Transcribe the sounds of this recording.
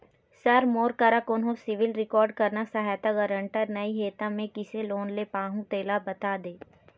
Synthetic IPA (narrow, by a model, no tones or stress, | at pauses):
sɐɾmoːɾkəɾakʊnɦõsɪʋɪlɾɪkɔːɾɖ̚kɐɾnasɐɦaːjt̪aɡɐɾə̃ɳʈəɾnɐiɦeːt̪ãmẽkɪseloːnlepãːɦũt̪eːlabɐt̪aːd̪eː